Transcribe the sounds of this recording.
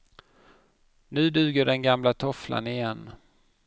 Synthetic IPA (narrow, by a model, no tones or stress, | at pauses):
nʉ̟ːd̪ʉ̟ːɡəɖɛnɡamlat̪ʰɔflʔa̰nɪjɛnː